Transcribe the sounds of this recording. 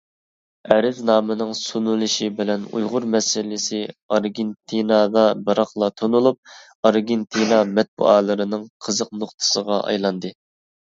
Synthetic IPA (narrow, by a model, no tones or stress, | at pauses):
ɛɾɪznɑːmɨnɨŋsunulˠɨʃibɪlɛnṵjʁʊɾmɛsɪlɪsɪɑɾɡʲent̪ʰinɑd̪ɑbɨɾɑχlˠɑt̪ʰonulˠup̚ | ɑɾɡʲent̪ʰinɑmɛt̪̚bṵɑːlˠɨɾɨnɨŋqʰəzəq̚noχt̪ʰɨ̥səʁɑʔɑ̰jlˠɑnd̪ɨ